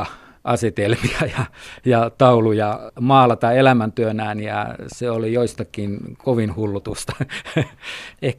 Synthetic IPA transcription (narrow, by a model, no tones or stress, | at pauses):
ʔɑ̰set̪elmiɑjɑjɑt̪ɑulujɑmɑːlɑt̪ɑelæmænt̪yønæːnjɑ̰seolijoist̪ɑkinkoʋinhulːut̪ust̪ɑ̥ | eh